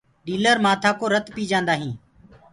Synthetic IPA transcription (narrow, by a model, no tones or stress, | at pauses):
ɗiːləɾmaːt̪ʰaːkoːɾət̪piːd͡ʒãːnd̪aːɦĩː